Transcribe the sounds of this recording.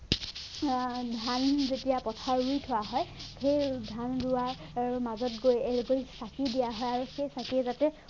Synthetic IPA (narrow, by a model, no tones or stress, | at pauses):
dʱanzetijapɔtʰaɹujtʰʊwaɦɔjkʰejdʱandʊaɹ | aɹumazɔtɡojɛlɡoisakidijaɦɔjaɹuxejsakiɛzatɛ